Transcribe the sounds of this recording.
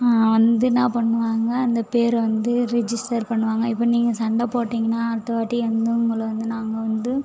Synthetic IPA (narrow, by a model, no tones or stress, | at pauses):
ʋɐnd̪ɯnãːpɐɳːɯʋaːŋɡɐːnd̪ɐpeːɾʋɐnd̪ɯɾɛd͡ʒɪsʈɐɾpɐɳːɯʋaːŋɡɐɪpːɐːniːŋɡɐsɐɳɖaːpoːʈːiːŋɡɐnːaːɐɾt̪ːɐʋaːʈːiʋɐnd̪ɯʊŋɡɐɭʋɐnd̪ɯnaːŋɡɐʋɐnd̪ɯ